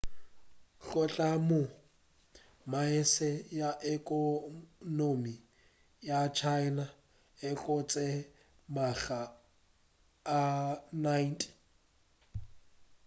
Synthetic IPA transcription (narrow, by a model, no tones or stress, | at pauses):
ɬɔt͡ɬʼamʊ | maɪsɛjaʔɛkʼɔnomi | jat͡ʃʰaɪna | ɪkʼɔt͡sʼɛ | maɣa | najntʼ